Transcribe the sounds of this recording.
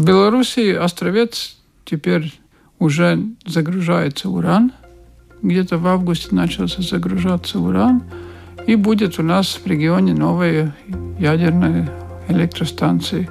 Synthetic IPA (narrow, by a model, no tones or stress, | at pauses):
vbʲɪlˠɐɾusʲɪːʔɐst̪ɾɐvʲet̪s | tʲɪpʲeɾʲ | ʊʐɛzəɡɾʊʐajɪt̪səʊɾan | ɡdʲet̪əvavɡʊsʲtʲɪnat͡ɕɪlˠsʲəzəɡɾʊʐat̪sːəʊɾanibudʲɪt̪ʊnasvɾʲɪɡʲɪonʲɪnovɨjəjædʲɪrnəjəɛlʲek̚t̪ɾəst̪ant̪sɨjɪ